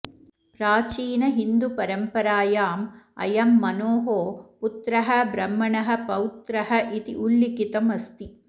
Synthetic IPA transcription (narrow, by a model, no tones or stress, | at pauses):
pɾaːt͡ʃiːnɐɦind̪upɐɾɐmpɐɾaːjaːmɐ̰jɐmːɐnoːɦoːput̪ɾɐɦɐbɾɐmːɐɳɐɦɐ̆pɐwt̪ɾɐɦɐʔit̪ḭʔulːikit̪ɐmɐst̪i